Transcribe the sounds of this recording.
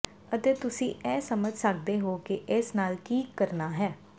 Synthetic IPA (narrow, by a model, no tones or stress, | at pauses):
ət̪eːt̪ʊsĩːɛːsəməd͡ʒʱsək̚d̪eːɦoːkɪʔɪsnaːlʈʰiːkːəɾnaːɦɛː